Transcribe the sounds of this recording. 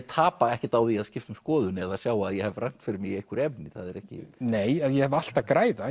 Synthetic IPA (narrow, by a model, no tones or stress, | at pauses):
t̪ʰaːpaɛhcɪt̪awðiaðscɪft̪ʏmskɔːðʏnɛðaðsjaːwaðjɛhɛvraŋ̥t̪fɪɾɪmɪɣejhkʏɾɛpnɪθaðɛɾɛhcɪ̰neːjaðjɛhɛval̥t̪akɾaːjða